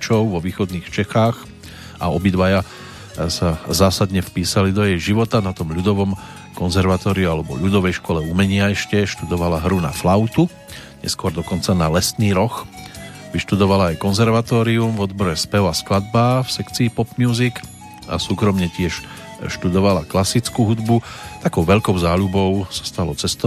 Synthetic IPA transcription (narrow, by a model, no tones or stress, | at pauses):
t͡ʃɔʊʋɔʋiːxɔd̪niːxt͡ʃɛxaːx | ʔa̰ɔbid̪ʋaja | sazaːsad̪ɲɛfpiːsalid̪ɔjɛjʒiʋɔt̪anat̪ɔmʎud̪ɔʋɔm | kɔnzɛɾʋat̪ɔːɾiualɛbɔ̰ʎud̪ɔʋɛjʃkɔlɛumɛɲɪaɛʃcɛʃt̪ud̪ɔʋalaɦɾuna̰flaʊt̪u | ɲɛ̰skʊɔɾd̪ɔkɔnt͡sanalɛsniːɾɔx | ʋiʃt̪ud̪ɔʋalaːjkɔnzɛɾʋat̪ɔːɾiumvɔd̪bɔɾɛspɛʊasklad̪̚baːfsɛkt͡siːpɔpmɪjuːzik | a̰suːkɾɔmɲɛcɪɛʃ | ʃt̪ud̪ɔʋalaklasit͡skuɦud̪but̪akɔʊʋɛʎkɔʊzaːʎubɔʊsḁst̪alɔt͡sɛst̪ɔ